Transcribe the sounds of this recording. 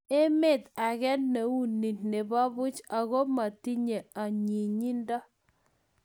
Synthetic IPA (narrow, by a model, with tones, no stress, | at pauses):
e˦me˦˨t̪a˨ɣɛ˦nne˨wu˦nːi˨tne˨ba˦βʊ˦t͡ʃa˨ɣo˦ma˨ti˦ɲe˨a˨ɲi˨ɲi˦ndɔ˦